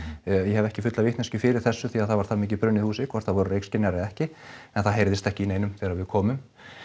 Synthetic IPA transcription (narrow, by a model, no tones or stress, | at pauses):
jɛɦɛvɛhcɪfʏt̪lavɪht̪nascʏfɪɾɪɾ̥θɛsːʏθiaðθavaɾ̥θamɪːc̬ɪpɾʏnɪðhuːsɪkʰvɔɾ̥θavɔɾʏrejkscɪnjaɾɪɛhcɪɛnθaðɦejɾðɪst̪ɛhcɪineːjnʏmθɛːɾavɪðkʰɔːmʏm